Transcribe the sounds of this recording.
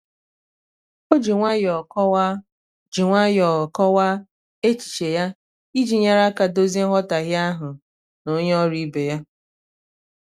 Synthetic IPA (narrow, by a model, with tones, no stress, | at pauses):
o˦d͡ʒi˨ŋʷa˦jɔ˨kɔ˦w | d͡ʒi˨ŋʷa˦jɔ˨kɔ˦wa˦ | e˦t͡ʃi̥˨t͡ʃe˨ja˦ | i˦d͡ʒi˨ɲa˦ɾa˦ka˨do˦zi˦ɦɔ˦ta˨ɣɪ˦a˦ɦʊ˨ | no˦ɲe˦ɔ˦ɾi˦be˨ja˦